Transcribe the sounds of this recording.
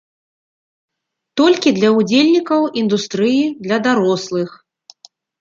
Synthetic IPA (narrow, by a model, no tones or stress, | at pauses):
t̪ɔlʲkʲid̪lʲɐud͡zʲelʲnʲikɐwind̪ust̪ɾɨjid̪lʲɐd̪aɾɔslˠɨx